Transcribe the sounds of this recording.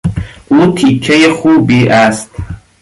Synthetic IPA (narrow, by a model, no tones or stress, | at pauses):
utʰit͡ʃʰajaχubiʔastʰʼ